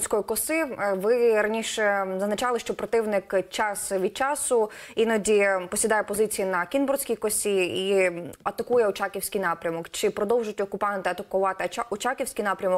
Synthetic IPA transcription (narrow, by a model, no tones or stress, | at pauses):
sʲkɔjikɔsɪʋɪɾɐnʲiʃɛzɐznɐt͡ʃɑlˠɪʃt͡ʃɔpɾɔt̪ɪwnɪkt͡ʃɑsʋʲid̪̚t͡ʃɑsʊinɐdʲipɔsʲid̪ɑjɛpɔzɪt͡sʲijinɐkʲinbɔrsʲkʲijkɔsʲiiɐt̪ɐkujɛɔt͡ʃɑkʲiwsʲkʲijnɑpɾʲɐmɔkt͡ʃɪpɾɔd̪ɔwʒʊtʲɔkʊpɑnt̪ɪɐt̪ɐkʊʋɑt̪ɪɔt͡ʃɑkʲiwsʲkijnɑpɾʲɐmɔk